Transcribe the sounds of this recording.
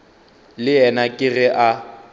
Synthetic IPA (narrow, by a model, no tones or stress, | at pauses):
lɪɛnakʼɪɣɪʔa